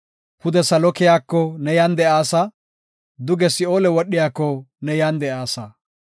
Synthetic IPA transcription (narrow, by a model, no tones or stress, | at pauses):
hʊd̪ɛsɐlɔkɪjaːkːɔnɛjand̪ɛʔaːsɐ | d̪ʊɡɛsɪoːlɛwɔɗːɪjaːkːɔnɛjand̪ɛʔaːsɐ